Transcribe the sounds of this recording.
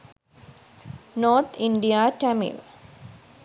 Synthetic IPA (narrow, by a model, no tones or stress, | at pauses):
noːɾt̪ʰɪɳɖijaːʈɛmḭl